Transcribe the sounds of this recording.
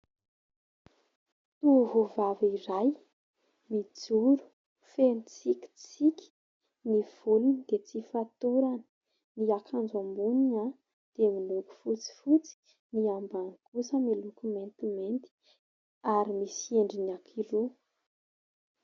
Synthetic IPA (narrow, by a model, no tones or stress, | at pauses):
t̪uɦuvaviɾaj | mid͡zuɾu̥ | fenit͡siki̥t͡sikʲi̥ | niv̥ulunid̪̥et͡sifat̪uɾanə̥ | niakʰand͡zambunia | d̪̥emiluɡu̥fut͡si̥fut͡si̥ | niambankusəmilukument̪iment̪i̥ | aɾimisieɳɖ͡ʐinakʰiɾu